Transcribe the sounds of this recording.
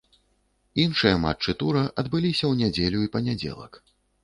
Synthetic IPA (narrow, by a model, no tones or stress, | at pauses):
inʂɨjɐma̰t͡ʂɨt̪uɾɐʔɐd̪bɨlʲisʲɐwnʲad͡zʲelʲuipɐnʲad͡zʲɛ̰lˠɐ̰k